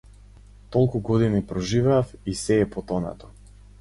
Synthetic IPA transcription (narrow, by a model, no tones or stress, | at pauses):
t̪ɔlˠkuɡɔd̪inipɾɔʒivɛːfisɛːpɔt̪ɔna̰t̪ɔ̥